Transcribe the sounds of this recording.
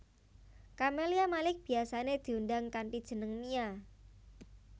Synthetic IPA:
kameliamalɪk̚b̥i̤asaned̪̥i̤undaŋkanpid̥ʒ̥ə̤nəŋmia

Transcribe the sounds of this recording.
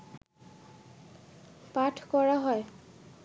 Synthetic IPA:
patʰkɔɹaɦɔj

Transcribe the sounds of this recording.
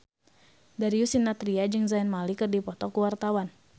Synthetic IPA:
daɾiusinːat̪ɾiad͡ʒɨŋzainmalikɨrdipɔt̪ɔkuwart̪awan

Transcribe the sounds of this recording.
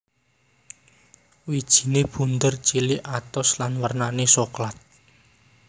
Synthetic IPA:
wid̥ʒ̥i̤neb̥ṳnd̪ərt͡ʃiliʔat̪ɔslanwərnanesoklat̪̚

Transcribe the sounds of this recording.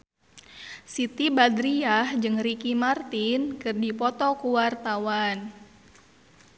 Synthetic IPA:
sit̪ibad̪ɾiahd͡ʒɨŋrikimart̪inkɨrdipɔt̪ɔkuwart̪awan

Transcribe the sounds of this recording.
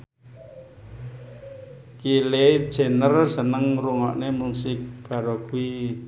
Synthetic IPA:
kile̥ʒ̥e̤nərsənəŋruŋa̰ʔnemusɪk̚b̥a̤ɾoɡ̥ui

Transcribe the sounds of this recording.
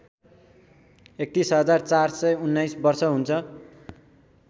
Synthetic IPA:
ek̚t̪isɦʌd͡zart͡sarsʌjunːajsbʌrsʌɦunt͡sʰʌ

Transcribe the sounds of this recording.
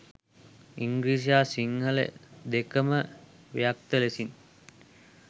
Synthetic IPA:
iŋɡɾiːs̬aːsiŋhəlḛd̪ekəmə | ʋḛjak̚t̪əlesin

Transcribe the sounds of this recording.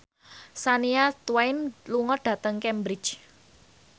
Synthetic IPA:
saniat̪wajnluŋɔɖ̥ä̤t̪əŋkɛmbɾi̥t͡ʃ

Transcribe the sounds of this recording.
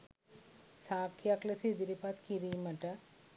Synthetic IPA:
saːkjaklɐsid̪iɾipat̪kiɾimɐʈa

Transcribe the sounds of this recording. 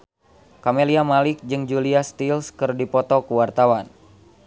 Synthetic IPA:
kameliamalɪk̚d͡ʒɨŋd͡ʒuliast̪ilskɨrdipɔt̪ɔkuwart̪awan

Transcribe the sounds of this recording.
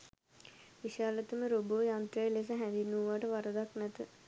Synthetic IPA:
ʋiʃaːlət̪əməɾoboʋjant̪ɾəjəles̬əɦɛ̃nd̪inuːʋaʈəʋaɾəd̪aknæt̪ə

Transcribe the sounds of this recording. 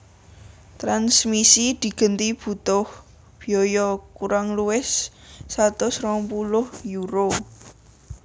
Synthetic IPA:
t̪ɾansmisid̪̥i̤ɡ̥ə̤nt̪ib̥ṳt̪ʊh | b̥i̤ɔjɔkuɾaŋluɪsːat̪ʊsɾɔŋpulʊhjuɾo

